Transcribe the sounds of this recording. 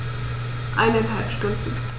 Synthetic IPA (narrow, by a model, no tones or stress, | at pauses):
ʔa̰ɪnanɦalpʃtʊnd̪n̩